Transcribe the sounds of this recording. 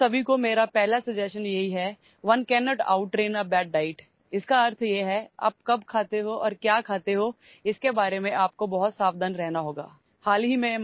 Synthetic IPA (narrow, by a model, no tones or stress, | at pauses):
sɐbʱikomeːɾapɛɦlasɐd͡ʒɛːsʃənjɐɦiɦɛ | ʋɐnkɛːnɔːʈa̰ːʊʈːɾeːnəbɛːɖ̚ɖaːɪʈ | ɪskaɐɾt̪ʰjeɦɛa̰ːp̚kɐbkʰaːt̪eɦoʔɔːɾkjaːkʰaːt̪eɦo | ɪskebaːɾemẽʔaːp̚kobɐɦʊt̪saːbd̪ənɾɛɦnaɦoːɡa̰ː | haːlɦimẽ